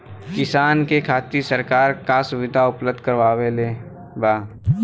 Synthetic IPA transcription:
kɪsaːnkekʰaːt̪isəɾkaːɾkasʊʋɪd̪ʱaʊpləbd̪ʱkəɾʋaːweleː | baː

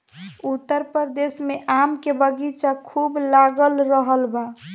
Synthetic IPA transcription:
ut̪ːəɾpɾəɾd̪esmeʔamkebəɡit͡ʃakʰublaɡəlɾəɦəlba

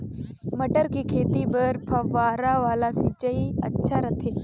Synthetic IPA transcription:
mɐɖəɾkikʰeːt̪ibəɾpʰɐʋaːɾaʋaːlasit͡ʃɐiɐ̰tːʃʰaɾɐt̪ʰeː

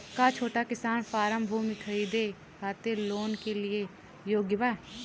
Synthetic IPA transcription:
kaːt͡ʃʰoːʈakɪsaːnfaːɾəmbʱuːmikʰəɾiːd̪e | kʰaːt̪eloːnkelɪe | joːɡjəʋaː

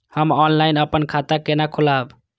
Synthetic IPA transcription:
həmɔnlajnəpənkʰat̪akenakʰulab

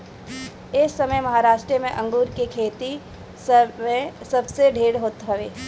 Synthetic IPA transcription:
ɪsːɐməjmɐɦaɾaːʃʈɾəmẽʔɐ̃ŋɡuːɾkekʰeːt̪i | ẽsɐbseɖʱeːɽɦoːt̪ɦɐʋeː

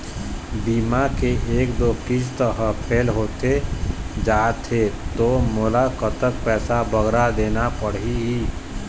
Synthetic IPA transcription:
biːmakeʔeːkd̪oːkist̪əɦəpʰeːlɦoːt̪ed͡ʒaːt̪ʰet̪omolakət̪ək̚pɛːsabəɡɾad̪eːnapəɽiɦi

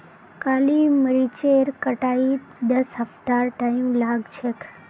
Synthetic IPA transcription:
kaliməɾit͡ʃeɾkəʈait̪d̪əsɦəft̪aɾʈaimlaɡt͡ʃʰek

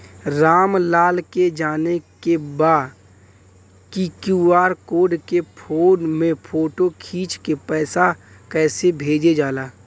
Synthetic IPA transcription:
ɾaːmlaːlked͡ʒaːnekebaː | kikjuːaːɾkoːɖkepʰoːnmẽpʰoːʈokʰiːt͡ʃkepɛːsa | kɛːsebʱeːd͡ʒed͡ʒaːlaː

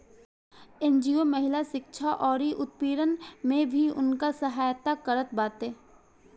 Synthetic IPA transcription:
ẽːnd͡ʒiːoməɦɪlaʃɪkʃʰaʔɔːɾiʔʊt̪̚piːɾənmẽbʱiʊ̰nkasəɦaːjt̪akəɾət̪baːt̪eː

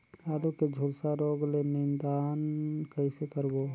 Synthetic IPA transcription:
kaːluked͡ʒʱulsaɾoːɡlemiːnd̪aːnkəisekəɾbo

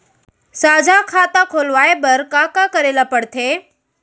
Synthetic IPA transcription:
saːd͡ʒʱakʰaːt̪akʰoːlʋaːebəɾkãkakəɾeːlapəɽt̪ʰeː

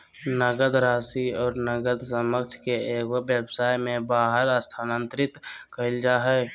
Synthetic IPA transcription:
nəɡəd̪ɾaːsiɔːɾnəɡəd̪səməkt͡ʃʰkeeːkəbjəbsaːjmẽbaːɦəɾəst̪ʰaːnə̃nt̪ɾɪt̪kəɪld͡ʒaːɦɛ

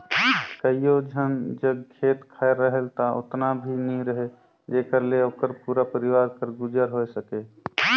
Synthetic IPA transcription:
kəijod͡ʒʱənd͡ʒəbkʰeːt̪kʰaeɾːəɦəlt̪aʊ̰t̪nabʱinɦĩɾəɦe | d͡ʒeːkəɾleoːkəɾpuːɾapəɾiwaːɾkəɾɡud͡ʒəɾɦojsəke

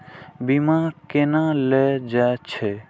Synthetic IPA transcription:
bimãkenãlɛd͡ʒat͡ʃʰe

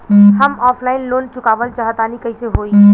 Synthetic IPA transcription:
həmɔːpʰlaɪnloːnt͡ʃʊkaːbəlt͡ʃəɦət̪anikəɦiseɦoi

